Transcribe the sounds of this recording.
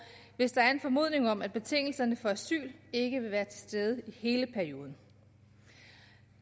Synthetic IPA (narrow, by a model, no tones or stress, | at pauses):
ʋe̝sd̥ɑ̈æɐe̝nfɒ̽mo̝ð̞̰ˠne̝ŋɒ̽mæd̚b̥e̝t͡sʰe̝ŋ̰l̩sɐnəfɒ̽æsy̰ːle̝ɡ̥əʋe̝ʋæːɐt͡sʰe̝sd̥eːð̞ˠəihe̝ːləpʰæɐio̝ːð̞ˠn̩